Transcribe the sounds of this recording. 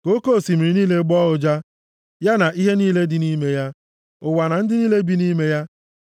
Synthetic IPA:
ko˦ko˦˨si˨mi˨ɾi˨niː˦le˦ɡ͡bɔ˦ʊ˨d͡ʒa˦ | ja˦na˨ʔi˦ɦe˦niː˦le˦dɪ˨ni˦me˦ja˦ | ʊ˨wa˨na˨n̩˦dɪ˦niː˦le˦bi˦niː˦me˦ja˦

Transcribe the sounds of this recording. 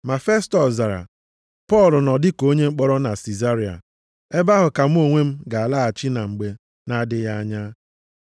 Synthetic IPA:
ma˨fe˦stɔ˨za˨ɾa̰˨ | pɔ˦˨lʊ˨nɔ˨dɪ˦ko˦ɲe˦ŋ͡m̩˦k͡pɔ˦ɾɔ˦na˨si˨za˦ɾi˨a̰˨ | e˦ba˦ɦʊ˨ka˨m˦o˦ŋʷe˦m̩˦ɡa˨a˨la˦a˨t͡ʃi˦na˨ŋ͡m̩˨ɡ͡be˦ | na˦dɪ˦ja˦a˦ɲa˦

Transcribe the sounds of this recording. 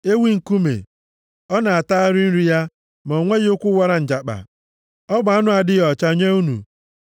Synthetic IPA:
e˦wi˦ŋ̩˨ku˦mḛ˨ | ɔ˦na˨a˨ta˦ɾɪ˦n̩˦ɾi˦ja˦ | m˨o˨ŋʷe˦ɣɪ˦ʊ˦kʷʊ˦wa˦ɾa˨n̩˨d͡ʒa˨k͡pa̰˨ | ɔ˦bʊ˨a˦nʊ˦a˨dɪ˦jɔ˨t͡ʃa˦ɲe˦u˦nṵ˨

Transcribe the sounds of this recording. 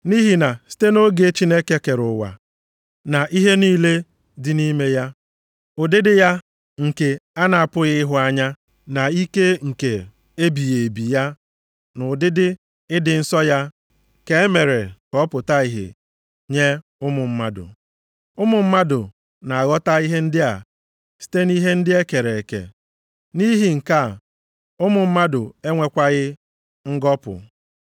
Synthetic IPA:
ni˦ɦi˨na˨si̥˦te˦no˦ɡe˨˦t͡ʃi˦ne˦ke˦ke˨ɾʊ˨wa̰˨ | na˨ʔi˦ɦe˦niː˦le˦ | dɪ˨ni˦me˦ja˦ | ʊ˨dɪ˦dɪ˦ja˦ | ŋ̩˨ke˨a˦na˨a˨pʊ˦ɣɪ˦ɪ˦ɦʊ˦a˦ɲa˦ | na˨i˦ke˦ŋ̩˨ke˨ | e˦bi˨je˨bi˨ja˦ | nʊ˨dɪ˦dɪ˦ | ɪ˦dɪ˨n̩˦sɔ˦ja˦ | ke˦e˦me˨ɾe˨kɔ˦pʊ˨ta˦i˨ɦɪ̰˨ | ɲe˦ | ʊ˦mʊ˨m̩˦ma˦dʊ̰˨ | ʊ˦mʊ˨m̩˦ma˦dʊ˨ | na˨a˨ɣɔ˦ta˦i˦ɦe˦n̩˦dɪ˦a̰˨ | si̥˦te˦ni˦ɦe˦n̩˦dɪ˦e˦ke˨ɾe˨e˨kḛ˨ | ni˦ɦi˨ŋ̩˨ka˦˨ | ʊ˦mʊ˨m̩˦ma˦dʊ˨e˦ŋʷe˦kʷa˦ɣɪ˦ | ŋ̩˦ɡɔ˦pʊ̰˨

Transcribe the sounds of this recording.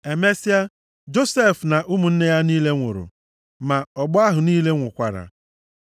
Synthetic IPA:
e˨me˦si˦a˦ | d͡ʒo˦se˦˨fna˨ʔu˦mu˨n̩˦ne˦ja˦niː˦le˦ŋʷo̰˨ɾʊ̰˨ | ma˨ɔ˨ɡ͡bɔ˦a˦ɦʊ˨niː˦le˦ŋʷʊ˨kʷa˨ɾa̰˨

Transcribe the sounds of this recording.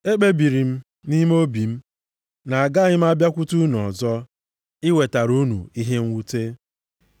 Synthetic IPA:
e˦k͡pe˦bi˨ɾi˨m̩˦ | ni˦m˦o˦bi˨m̩˦ | na˨a˨ɡa˦ɲɪ˦m̩˦a˦bja˦kʷu˦tu˦n˨ɔ˨zɔ˦ | ɪ˦we˨ta˨ɾu˦nṵ˨i˦ɦe˦ŋ̩˦wu˦te˦

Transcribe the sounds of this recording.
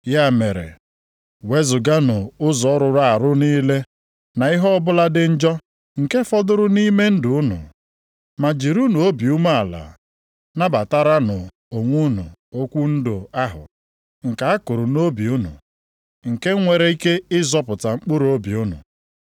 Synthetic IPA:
ja˦˨me˨ɾḛ˨ | we˦zʊ˨ɡa˦nʊ˨ʊ˦zɔ˨˦ɾʊ˨ɾa˨a˨ɾʊ˦niː˦le˦ | na˨ɪ˦ɦɔ˦ɔ˦bʊ˦la˦dɪ˦n̩˦d͡ʒɔ˦ | ŋ̩˨ke˦fɔ˦dʊ˦ɾʊ˦ni˦me˦n̩˦dʊ˨ʊ˦nʊ̰˨ | ma˨d͡ʒi˨ɾu˦nu˨o˦bi˨u˦mu˦a˨la̰˨ | na˦ba˨ta˦ɾa˦nʊ˨ | o˨ŋʷu˦nʊ̰˨o˦kʷu˦n̩˦dʊ˨a˦ɦʊ̰˨ | ŋ̩˨ka˨a˦kʊ˨ɾʊ˨no˦bi˨ʊ˦nʊ̰˨ | ŋ̩˨ke˦ŋʷe˨ɾe˦i˦ke˦ɪ˦zɔ˦pʊ˨ta˨ŋ͡m̩˦k͡pʊ˦ɾo˦bi˨ʊ˦nʊ̰˨

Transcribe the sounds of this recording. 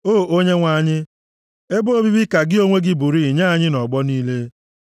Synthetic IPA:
oː˦˨o˦ɲe˦ŋʷa˨ɲɪ˦ | e˦bo˦bi˦bi˦ka˨ɡɪ˦o˦ŋʷe˦ɡɪ˦bu˨ɾi˦˨ɲa˦a˦˨ɲɪ˦nɔ˨ɡ͡bɔ˦niː˦le˦

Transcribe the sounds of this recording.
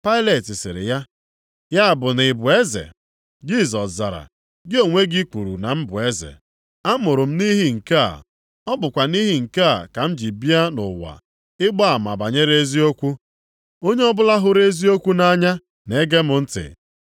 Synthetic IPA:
pa˦ɪ˦le˨tɪ˨sɪ̰˨ɾɪ̰˨ja˦ | ja˦a˨bʊ˨nɪ˨bʊ˨e˦zḛ˨ | d͡ʒi˦˨zɔ˨sza˨ɾa̰˨ | ɡɪ˦o˨ŋʷe˦ɡi˦ku˨ɾṵ˨na˨m̩˦bʊ˨e˦zḛ˨ | a˦mʊ˨ɾʊ˨m̩˦ni˦ɦi˦ŋ̩˨ka˦a̰˨ | ɔ˦bʊ˨kʷa˨ni˦ɦi˦ŋ̩˨ka˦a˨ka˨m̩˦d͡ʒi˨bi˦a˦nʊ̰˨wa̰˨ | ɪ˦ɡ͡ba˦a˨ma̰˨ba˨ɲe˦ɾe˦zi˦o˦kʷu˦ | o˦ɲe˦ɔ˦bʊ˦la˦ɦʊ˦ɾe˦zi˦o˦kʷu˦na˦ɲa˦ | ne˦ɡe˦mʊ˦n̩˦tɪ̰˨

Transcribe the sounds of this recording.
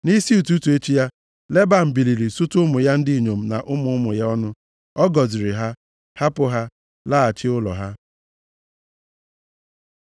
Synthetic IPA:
ni˦si˦u˨tu˦tu˨e˦t͡ʃi˦ja˦ | le˦ba˨m̩˨bi˨li˨ɾi˨sʊ˦tʊ˦mʊ˨ja˦n̩˦dɪ˦i˨ɲo˨m̩˦na̰˨ʔʊ˦mʊ˦ʊ˦mʊ˨ja˦ɔ˦nʊ˦ | ɔ˦ɡɔ˨zɪ˨ɾɪ˨ɦa˦ | ha˦pʊ˦ɦa˦ | la˦a˨t͡ʃɪ˦ʊ˦lɔ̰˨ɦa˦

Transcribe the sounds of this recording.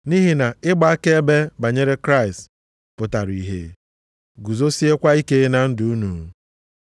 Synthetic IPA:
ni˦ɦi˨na˨ɪ˦ɡ͡ba˦a˦ke˦e˦be˦ba˨ɲe˦ɾe˦kɾa˦ɪ˨st | pʊ˨ta˨ɾi˨ɦḛ˦ | ɡu˨zo˦si˦e˦kʷa˦i˦ke˦na˨n̩˦dʊ˨u˦nu˨

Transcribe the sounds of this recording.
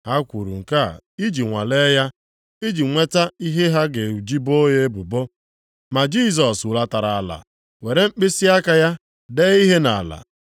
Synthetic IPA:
a˦kʷu˨ɾṵ˨ŋ̩˨ka˦˨i˦d͡ʒi˨ŋʷa̰˨le˦ja˦ | i˦d͡ʒi˨ŋʷe˦ta˦i˦ɦe˦ɦa˦ɡe˨u˨d͡ʒi˦bo˦je˦bʊ˨bo˦ | ma˨d͡ʒi˦s̬ɔ˨sʊ˨la˦ta˨ɾa˨a˨la̰˨ | we˨ɾe˨ŋ͡m̩˦k͡pɪ˦si˦a˦ka˨ja˦ | de˦i˦ɦe˦na̰˨la̰˨

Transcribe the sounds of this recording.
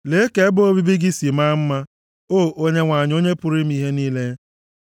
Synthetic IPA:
le˦ke˦bo˦o˦bi˦bi˦ɡɪ˦si˨ma˦m̩˦ma˦ | o˦˨ʔo˦ɲe˦ŋʷa˨ɲ˦o˦ɲe˦pʊ˦ɾi˦m̩˦i˦ɦe˦niː˦le˦

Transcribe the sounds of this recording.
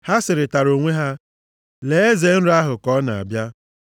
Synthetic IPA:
ha˦sɪ˨ɾɪ˨ta˨ɾo˨ŋʷe˦ɦa˦ | le˨e˦ze˨˦n̩˦ɾa˦ɦʊ˨kɔ˦na˨a̰˨bja˦

